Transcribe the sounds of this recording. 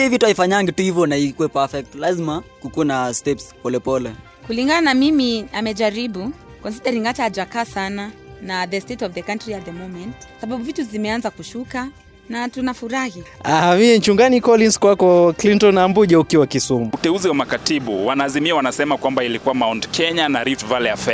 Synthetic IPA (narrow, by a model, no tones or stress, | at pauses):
ivituaifaɲaŋɡituhivjɔnaikuɛpafɛk̚tlazimakukunastɛpspɔlɛpɔlɛ | kuliŋɡananamimiamɛd͡ʒaɾiɓukɔnsiɗɛɾiŋɡat͡ʃaad͡ʒakasananaðɛstetɔvðəkantɾiat̚ðɛmomɛntḁsaɓaɓuvituzimɛanzakuʃuka | natunafuɾahiaamimɛnt͡ʃuŋɡanikɔlinskwakɔklintɔnambuʄaukiwakisumuutɛuziwamakatiɓṵwanaːzimiawanasɛmakwambailikuwamawndkʰɛɲanaɾiftvalɛjafɛ